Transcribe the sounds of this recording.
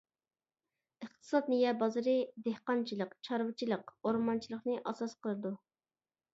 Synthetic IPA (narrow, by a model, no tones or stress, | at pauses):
əχt̪ʰɨ̥sɑt̪̚nɨjɛbɑzɨɾɨd̪ehqɑnt͡ʃʰilˠəqt͡ʃʰɑɾwɨt͡ʃʰilˠəqoɾmɑnt͡ʃʰilˠəχnɨʔɑsɑsqəlˠɨd̪u